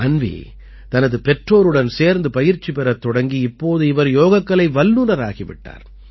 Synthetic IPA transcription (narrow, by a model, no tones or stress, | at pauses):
ɐnʋḭː | t̪ɐnɐðɯpɛʈroːɾɯɽɐnseːɾnd̪ɯpɐjɪɾt͡ʃːipɛɾɐt̪ːɔɽɐŋɡiɪpːoːðɯɪʋɐɾjoːɣɐkːɐɭɐɪʋɐlːuɾɐɾa̰ːɣiʋɪ̰ʈːa̰ːɾ